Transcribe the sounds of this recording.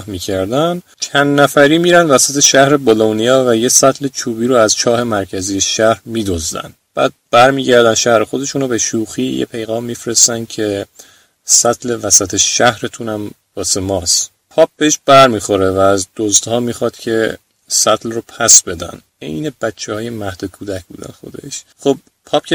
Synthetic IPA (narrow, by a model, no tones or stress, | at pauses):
hmiːcʰæɾd̪æn | t͡ʃʰænːæfæɾiːmiːɾænd̪væsæt̪ʰeʃæhɾebolonijɒːvæjesæt̪ʰle̞t͡ʃʰuːbiːɾoæz̥t͡ʃʰɒːhe̞mæɾcʰæziːjeʃæhɾmiːd̪ozd̪æ̰nd̪b̥æ̰ːd̪̚b̥æɾmiːɟæɾd̪ænʃæhɾexo̞d̪e̞ʃuːnobeʃuːxijḛpʰe̞jɣɒːmːiːfɾest̪ænd̪̥̚cʰe̞ | sæt̪ʰle̞væsæt̪ʰeʃæhɾet̪ʰunæmbɒːsemɒːs | pʰɒːp̚b̥eeʃb̥æɾmiːxo̞ɾevæːzd̪̥ozd̪hɒːmiːxɒːd̪̥cʲʰe̞ | sæt̪ʰlropʰæsbe̞d̪æ̰n | e̞̰jne̞b̥æt͡ʃʰːehɒːje̞mæhd̪̥okʰuːd̪æcʰbṵːd̪æ̰nxo̞̰d̪e̞̰ʃχob̚ | pʰɒp̚cʰe